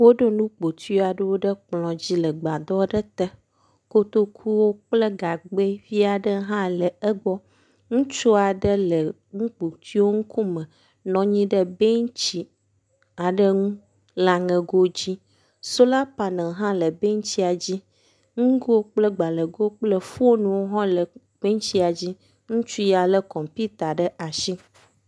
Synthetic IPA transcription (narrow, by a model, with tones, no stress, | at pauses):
wo˦ɖo˦nũ˦k͡po˨t̪ʰi˦o˦a˨ɖə˦wo˦ɖə˦k͡plɔ̃˨d͡ʑi˦lə˨ɡ͡ba˨d̪ɔ˦ɖə˦t̪ɛ˦ | ko˦t̪o˦kʰu˦wo˦k͡plə˦ɡa˨ɡ͡be˦vi˦a˨ɖə˦ɦã˦lɛ˨ə˦ɡ͡bɔ˦ | ŋũ˦t͡ʃo˦a˨ɖə˦lə˨ | ŋũ˦k͡po˨t̪ʰi˦wo˦ŋu˦ku˦mə̃˨ | nɔ̃˨ɲĩ˦ɖə˦be˦ŋ˦t͡ɕi˦ | a˨ɖə˦ŋũ˦ | la˨ŋɛ̃˨ɡo˦d͡ʑi˦ | so˦la˦pa˨nã˨ɦã˦lə˨be˦ŋ˦t͡ɕi˦a˨d͡ʑi˦ | ŋũ˦ɡo˦k͡plə˦ɡ͡ba˨lə˨ɡo˦k͡plə˦fu˦o˦nũ˨wo˦ɦɔ̃˦lə˨ | b̥e˦ɲ˦t͡ɕi˦a˨d͡ʑi˦ | ŋũ˦t͡ʃu˦ja˨lə˦kɔ˨mpi˦t̪a˨ɖə˦ʔa˨ʃi˦